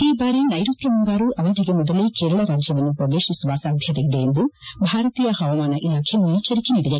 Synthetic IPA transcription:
iːbaːɾinɐjɾut̪jɐmuŋɡaːɾuʔɐʋɐd̪ʱiɡemɔd̪ɐlekeːɾɐɭɐɾaːd͡ʒjɐʋɐnːupɾɐɡ̪eːʃisuʋaːsaːd̪ʱjɐt̪ɐid̪eːnd̪ubʱaːɾɐt̪iːjɐhɐʋɐmaːnɐʔilaːkʰenːuiːt͡ʃɐɾikeniːɽid̪e̞

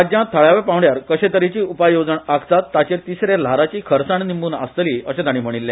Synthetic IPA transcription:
ad͡ʑ̪jãt̪ʰːəɭjaʋepãʋɳɖjaɾkəɕet̪əɾit͡ɕiːupajod͡zəɳakt̪at̪ːat͡ɕeɾt̪isɾelaɾat͡ɕiːkʰəɾsaɳnimbuːna̰st̪əliːəɕẽd̪aɽiːm̤əɽ̃ilːẽ

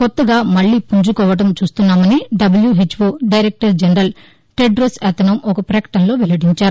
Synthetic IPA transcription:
kot̪ːɐɡaːmɐɭːiːpuɲd͡ʒukɔːʋɐʈɐmt͡ʃuːst̪unːaːmɐniɖɐbɐljuɦit͡ʃːʋoːɖɐjɾek̚ʈɐɾd͡ʒenɐɾɐl | ʈeɖɾosɛt̪ɐnɐmɔkɐpɾɐkɐ̥ʈɐnlo̞ːʋelɐɖiɲt͡ʃaːɾu

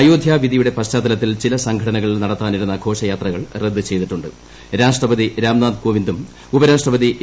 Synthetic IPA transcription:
ɐjoːd̪ʱjaːʋid̪ijuɽe̞pɐɕt͡ɕaːd̪ɐlɐt̪ːilt͡ɕilɐsɐŋɡʱɐʈɐnɐɣɐɭilnɐɽɐt̪ːaːniɾunːɐɡʱo̞ːʂɐjaːt̪rɐɣɐɭred̪ːɨt͡ɕe̞jt̪iʈːuɳɖɨ | ɾaːʂʈrɐbɐd̪iɾaːmnaːd̪koːʋind̪um | ubɐɾaːʂʈrɐbɐd̪i

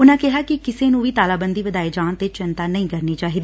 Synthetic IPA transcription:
ʊnãːkɛɦaːkɪkɪseːnũːʋiːt̪aːlaːbənd̪iːʋəd̪aːeːd͡ʒaːnt̪eːt͡ʃɪnt̪aːnəĩːkəɾneːt͡ʃaːɦiːd̪eː

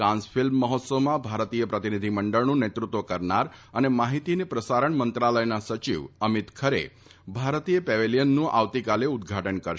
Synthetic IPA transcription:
ɾãnsfɪlmːəɦɔt̪səmãbʱaɾt̪ijəpɾət̪inid̪ʱiməɳɖəɭnũnet̪ɾut̪ʋəkəɾnaɾənemaɦit̪inepɾəsaɾəɳmənt̪ɾaləjnasət͡ʃḭʋəmit̪kʰəɾḛ | bʱaɾt̪ijəpɛʋelijənːũʔa̰ʋt̪ikaleʊd̪ɡʱaʈənkəɾ

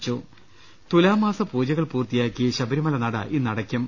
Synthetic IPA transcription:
t͡ɕːu | t̪ulaːmaːsɐpuːd͡ʑɐɣɐɭpuːrt̪ijaːkʲːiɕɐbɐɾimɐlɐnɐɽɐ̰ʔinːɐɽɐkʲːum

